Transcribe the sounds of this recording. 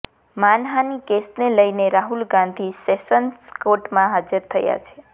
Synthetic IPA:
manɦanikesneləjneɾaɦulɡãnd̪ʱisesənskoʈmãɦad͡ʒəɾt̪ʰəja̰t͡ʃʰe

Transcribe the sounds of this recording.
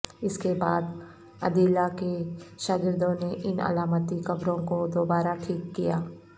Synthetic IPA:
ɪskebaːd̪ | ɐ̰d̪iːlakeʃaːɡɪɾd̪õneʔɪnɐ̰laːmət̪ikɐbɾõkod̪oːbaːɾaʈʰiːkːijaː

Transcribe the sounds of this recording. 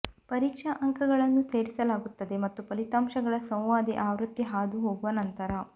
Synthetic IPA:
pɐɾiːkʂɐʔɐŋkʰɐɡɐɭɐnːuse̞ːɾisɐlaːɡut̪ːɐd̪e̞mɐt̪ːupɐlit̪aːmʃɐɡɐɭɐsɐ̃w̃ʋaːd̪iʔaːʋɾut̪ːiɦaːd̪uɦoːɡuʋɐnɐnt̪ɐɾɐ

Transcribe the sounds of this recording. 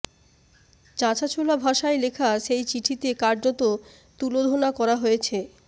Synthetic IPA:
t͡ɕãt͡ɕat͡ɕʰolabʱaʃaelekʰaʃejt͡ɕiʈʰit̪ekaɾd͡ʑot̪o | t̪ulod̪ʱonakɔɾaɦoet͡ɕʰe

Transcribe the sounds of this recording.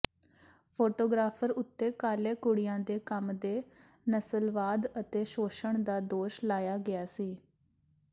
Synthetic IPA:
pʰoːʈoːɡɾaːpʰəɾʊt̪ːeːkaːleːkʊɽɪjãːd̪eːkəmd̪eː | nəsəlʋaːd̪ət̪eːʃoːʃəɳd̪aːd̪oːʃlaːjaːɡɪaːsiː

